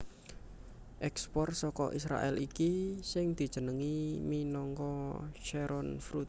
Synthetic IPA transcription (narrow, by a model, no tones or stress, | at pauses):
ʔɛkspɔrsɔkɔ̰ʔisɾa̰ʔɛ̰likisɪŋd̪̥i̤̥ʒ̥ə̤nəŋiminɔŋkɔʃɛɾɔnfɾut̪̚